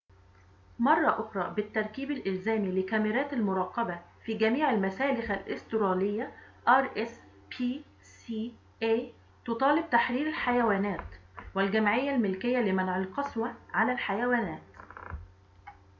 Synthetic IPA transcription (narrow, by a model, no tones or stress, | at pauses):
mɑrˤːɑʔʊxɾˤɑːbɪt̪ːɑɾˤkiːbælʔɪlzæːmilɪkæmɪɾæːt̪almʊɾˤɑːqːɑbafiːɡæmiːʕalmæsæːlɪxælʔɪst̪ʊɾɑːlɪjːæ | ʔɑɾˤʔes | pʰiː | siː | ʔeː | t̪ot̪ˤɑːlɪb̚t̪aħɾiːɾɪlħajæwæːnæːt̪wɪlɡæmʕɪjːælmɪlkɪjːælɪmænʕɪlqɑswæʕalælħajæwæːnæːt̪